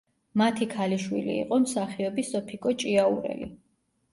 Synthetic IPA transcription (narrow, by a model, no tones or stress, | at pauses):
mat̪ʰikʰaliʃwḭlḭːqʼɔmsaχiɔbisɔpʰikʼɔt͡ʃʼiauɾɛ̰lḭ